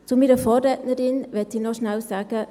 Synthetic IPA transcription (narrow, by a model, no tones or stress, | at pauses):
t͡sumiːɾəfoːɾɾɛtnəɾɪnʋɛtɪnɔʃnalsaːɡ̥ə